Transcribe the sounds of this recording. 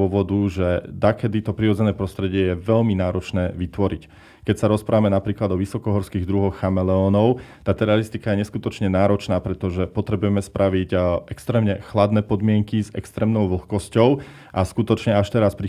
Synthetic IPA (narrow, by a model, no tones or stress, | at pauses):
ɔʋɔd̪uʒɛd̪akɛd̪it̪ɔpɾiɾɔd͡zɛnɛːpɾɔst̪ɾɛɟɪɛjɛʋɛʎminaːɾɔt͡ʃnɛːʋit̪ʋɔɾic | kɛcsaɾɔspɾʔaːʋamɛnapɾiːklad̪ɔʋisɔkɔɦɔɾskiɣd̪ɾuɦɔxːamɛlɛɔːnɔʊt̪aːt̪ɛɾaɾist̪ikajɛɲɛskut̪ɔt͡ʃɲɛnaːɾɔt͡ʃnaːpɾɛt̪ɔʒɛpɔt̪ɾɛbujɛmɛspɾʔaʋiɟʔɛkst̪ɾɛːmɲɛxlad̪nɛːpɔd̪mɪɛŋkizɛ̰kst̪ɾɛːmnɔʊʋl̩xkɔscɔʊ | ʔaskut̪ɔt͡ʃɲɛaʃt̪ɛɾaspɾi